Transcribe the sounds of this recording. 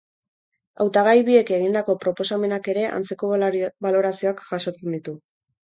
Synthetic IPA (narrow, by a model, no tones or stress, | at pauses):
a̰wt̪aɣajβie̞ke̞ɣ̞ind̪ako̞pɾo̞po̞same̞nake̞ɾe̞ʔa̰nt͡se̞ko̞βalo̞ɾasio̞akʝaso̞t͡se̞nd̪it̪u